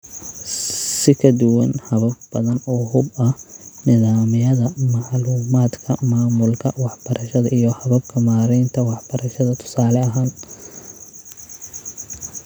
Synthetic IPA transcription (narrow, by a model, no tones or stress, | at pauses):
sɪkʰɐd̪ʊwɑnhɐβɐbb̥ɐðɐnɔːɦʊbɐhnɪðaːmɪjɐðɐmɑʕluːmaːd̪kʰɐmaːmʊlkʰɐwɑħb̥ɐɾʔɐʃɐðɐʔijɔhɐβɐbkʰɐmaːɾɛːnt̪ʰɐwɑħb̥ɐɾɐʃɐðɐt̪ʰʊ̥saːlɛɐɦaːn